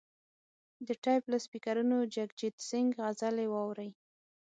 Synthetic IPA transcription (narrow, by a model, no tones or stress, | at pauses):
d̪əʈɑjplaspikaɾunod͡ʒaɡd͡ʒid̪sɪŋɡɣazalewɑwɾəj